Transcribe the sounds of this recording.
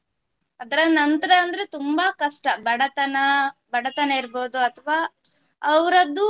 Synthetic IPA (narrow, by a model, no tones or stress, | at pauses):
ɐd̪ɐɾɐnɐnt̪ɐɾɐːnd̪ɐɾet̪umbɐkɐʂʈɐbɐɽɐt̪ɐnɐbɐɽɐt̪ɐnɐiɾboːd̪uɐt̪ʰɐʋaː | ɐʋɐɾɐd̪ːu